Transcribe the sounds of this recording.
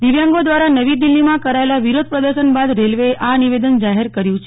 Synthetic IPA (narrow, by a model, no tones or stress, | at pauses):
d̪iʋjãŋɡod̪ʋaɾanəʋid̪ilːimãkəɾaelaʋiɾod̪̚pɾəd̪əɾʃənbad̪ɾelʋeeʔaniʋed̪ənd͡ʒaɦeɾkəɾjũt͡ʃʰe